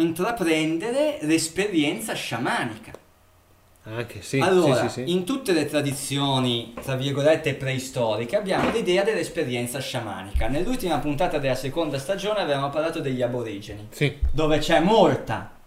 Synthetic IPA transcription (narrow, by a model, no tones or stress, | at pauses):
int̪ɾapɾɛnd̪eɾelespeɾjɛnt̪saʃamaːnika | akealːoːɾaint̪ut̪ːelet̪ɾad̪it̪sːjoːnit̪ɾavirɡolɛt̪ːepɾɛist̪ɔːɾik̟eabːjaːmolid̪ɛːad̪elːespeɾjɛnt̪saʃama̰ːnikanelːult̪imapunt̪aːt̪ad̪elːasekond̪ast̪ad͡ʒoːneavevamopaɾlaːt̪od̪eʎːiaboɾiːd͡ʒenisd̪oːvet͡ʃɛmːolt̪a̰